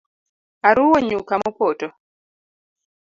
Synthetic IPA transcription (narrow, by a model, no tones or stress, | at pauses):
aɾuwɔɲukamɔpotɔ